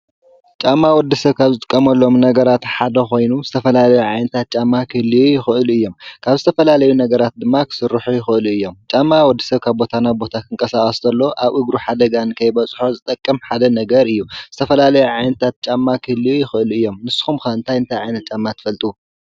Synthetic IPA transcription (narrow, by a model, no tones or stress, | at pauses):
t͡ʃʼamːawɔd̪ːisɐβkʰaβzɨt̪ʼɨkʼːɐmɐlːo̞mnɐɡɐɾat̪ħad̪ɐxo̞jnuzɨt̪ʰɐfɐlalɐjuʕajnɐt̪ʰat̪̚t͡ʃʼamːakʰɨhlːiwujɪxɨʔɨluɨjːo̞mkʰaβzɨt̪ʰɐfɐlalɐjunɐɡɐɾat̪̚d̪ɨmːakʰɨ̥sɨɾːɨħujɪxɨʔɨluɨjːo̞mt͡ʃʼamːawɔd̪ːi̥sɐβkʰaβbo̞t̪ʰanaβbo̞t̪ʰakʰɨŋkʼɐsaχʼɐsd̪ɐlːo̞ʔaβʔɨɡɾuħad̪ɐɡankʰɐjbɐt͡sʼħozɨt̪ʼɐkʼːɐmħad̪ɐnɐɡɐɾɨjːuz̥ɨt̪ʰɐfɐlalɐjuʕajnɐt̪ʰat̪̚t͡ʃʼamːakʰɨhlːijɪxɨʔɨluɨjːo̞mnɨsɨ̥xumxɐɨnt̪ʰajɨnt̪ʰajʕajnɐt̪̚t͡ʃʼamːat̪ʰɨ̥fɐlt̪ʼu